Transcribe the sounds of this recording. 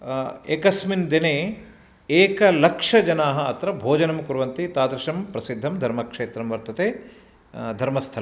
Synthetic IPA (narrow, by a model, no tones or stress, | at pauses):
eːkɐsmind̪ineː | eːkɐlɐkʂɐd͡ʒɐnaːɦɐɐt̪ɾɐbʱoːd͡ʒɐnɐmkuɾʋɐnt̪it̪aːt̪ɾɐʃɐmpɾɐsid̪ʱːɐmd̪ʱɐɾmɐkʂeːt̪ɾɐmʋɐɾt̪ɐt̪eː | d̪ʱɐɾmɐst̪ʰɐɾɐ